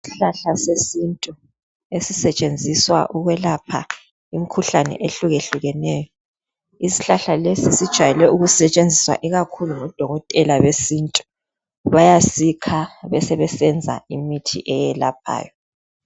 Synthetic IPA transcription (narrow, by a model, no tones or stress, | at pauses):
si̥ɬaɬasesintʼu | esisɛt͡ʃʼend͡zʱiswa̰ʔuɣwɛlapʰa̰ | imikʰuɬanɛ̰ʔeɬuɣeɬuɣɛnɛːjɔ | isi̥ɬaɬalesisid̥ʒ̥ʱwajɛlɛʔuɣusɛt͡ʃʼend͡zʱiswa̰ʔɛɣakʰuluŋɔd̥ʱɔɣɔtʼɛlaβesintʼu̥ | βajasikʰaβɛsɛβɛsɛnd͡zʱa̰imitʰḭʔɛjɛla̰p̚ʰa̰ːjɔ